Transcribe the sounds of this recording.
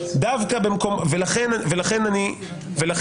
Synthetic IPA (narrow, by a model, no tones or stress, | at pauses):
d̪avkabemko̞mvelaχenave̞laχe̞nani | velaχ